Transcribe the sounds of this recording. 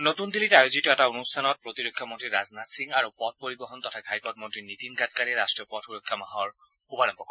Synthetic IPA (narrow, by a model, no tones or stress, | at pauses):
not̪und̪ilitajuzitɔɛtaonustʰanɔt̚pɹot̪iɾokʰːjɔmɔntɹiɾaznatsiŋaɹupɔt̚poɹibɔɦɔnt̪ɔtʰaɡʱajpɔt̚mɔntɹinit̪inɡʱatkaɹɛɹastɹiɔpɔtʰuɹokʰːjamaɦɔɹ | xubaɾɔmpɔkɔ